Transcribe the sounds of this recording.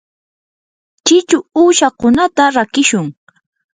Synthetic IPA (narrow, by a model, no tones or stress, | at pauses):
t͡ʃɪt͡ʃʊuːʃakʊnat̪aɾakɪʃʊŋ